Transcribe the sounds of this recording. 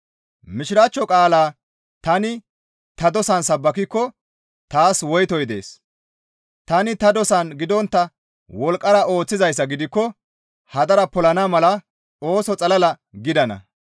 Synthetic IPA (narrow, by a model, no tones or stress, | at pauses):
mɪʃɪɾaːt͡ʃːɔkʼaːlaː | t̪ɐnɪ | t̪ɐd̪ɔsɐnsɐbːɐkɪkːɔ | t̪aːswɔjt̪ɔjd̪e̞̰ːs | t̪ɐnɪt̪ɐd̪ɔsɐnɡɪd̪ɔnt̪ːɐ | wɔlkʼːɐɾɐo̞ːt͡sːɪzɐjs̬ːɐɡɪd̪ɪkːɔ | hɐd̪ɐɾɐpɔlɐnamɐlɐ | o̞ːsɔt͡sʼɐlɐlɐ | ɡɪd̪ɐnɐ̰